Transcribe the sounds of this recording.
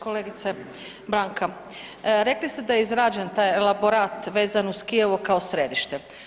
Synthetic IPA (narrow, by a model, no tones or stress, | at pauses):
koleɡit̪se | bɾaːŋka | ɾe̞klist̪ed̪ajeizɾaːd͡ʒe̞nt̪aːjlaboɾaːt̪ʋe̞ːzanuskijeʋokao̞sɾed̪iʃt̪e